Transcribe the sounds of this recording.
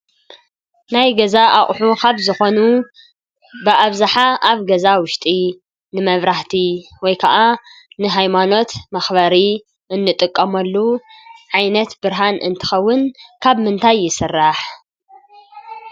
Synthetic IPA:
najɡɐzaʔaχʼħukʰaβzɨxo̞nu | bɨʔaβzaħaʔaβɡɐzawʊʃt̪ʼi | nɨmɐβɾaht̪ʰiwɔjkʰɐʔanɨɦajmano̞t̪mɐxbɐɾi | ʔɨnːɨt̪ʼɨkʼːɐmɐlːuʕajnɐt̪bɨɾɦanʔɨ̰nt̪ʰɨ̥xɐwːʊnkʰaβmɨnt̪ʰajːɪsɨrːaħ

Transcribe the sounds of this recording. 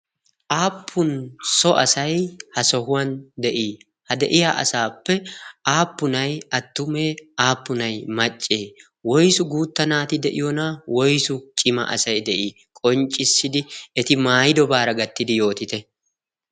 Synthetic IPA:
ʔaːpʰːʊnsɔʔɐsɐjhɐsɔɦʊwɐnd̪ɛʔiː | hɐd̪ɛʔɪjaːʔɐ̰saːpːɛaːpːʊnɐjɐt̪ːʊmeːaːpːʊnɐjmɐt͡ʃʼːeː | wɔjsʊɡuːt̪ːɐnaːt̪ɪd̪ɛʔɪjɔnawɔjsʊt͡ʃʼɪmɐ̰ʔɐ̰sɐjd̪ɛʔiː | kʼɔnt͡ʃʼːɪsːɪd̪ɪɛt̪ɪmaːjɪd̪ɔbaːɾɐɡɐt̪ːɪd̪ɪjo̞ːt̪ɪt̪ɛ

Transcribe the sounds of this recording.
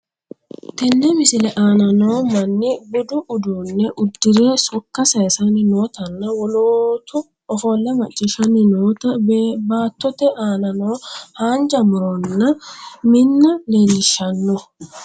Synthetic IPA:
t̪ɛnːɛmɪsɪlɛʔaːnɐno̞ːmɐnːɪbʊd̪ʊʔʊd̪uːnːɛʔʊd̪ːɪɾeːsʊkːɐsɐsɐnɪno̞ːt̪ɐnːɐwɔloːt̪ʊ | ɔfoːlːɐmɐt͡ʃʼːɪʃɐnɪnoːt̪ɐbaːt̪ːɔt̪ɛʔaːnɐno̞ːhaːnd͡ʒɐmʊɾɔnːɐmɪnːɐleːnɪʃːɐnːɔ

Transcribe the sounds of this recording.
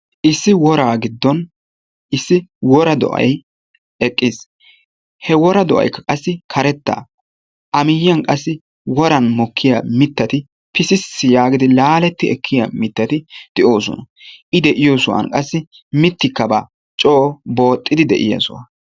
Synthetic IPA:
ʔɪsːɪwɔɾaːɡɪd̪ːɔn | ɪsːɪwɔɾɐd̪ɔ̰ʔɐ̰j | ɛkʼːɪs | hɛwɔɾɐd̪ɔʔɐ̰jkːɐkʼɐsːɪkʰɐɾɛt̪ːa̰ː | ʔɐmɪjɐnkʼɐsːɪ | wɔɾɐnmɔkʰːɪjamɪt̪ːɐt̪ɪ | pɪsɪsːɪjaːɡɪd̪ɪlaːlɛt̪ːɪɛkʰːɪjɐmɪt̪ːɐt̪ɪd̪̥ɪʔo̞ːsɔ̰nɐ | ʔɪd̪ɛʔɪjoːsʊwa̰nkʼɐsːɪ | mɪt̪ːɪkːɐba̰ː | t͡ʃʼoːbo̞ːt̪ʼːɪd̪ɪd̪ɛʔɪjɐ̰sʊ̰wa̰

